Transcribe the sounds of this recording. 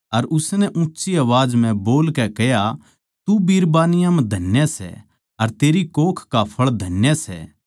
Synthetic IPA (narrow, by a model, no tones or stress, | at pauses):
ɐɾʔʊsnɛʔũtːt͡ʃiɐʋaːd͡ʒmɛ̃boːlkɛkɛja | t̪ubiːɾbaːnɪjãmɛ̃d̪ʱɐnjasɛ̰ | ɐɾt̪eːɾikoːkʰkapʰɐɭd̪ʱɐnjasɛ̰ː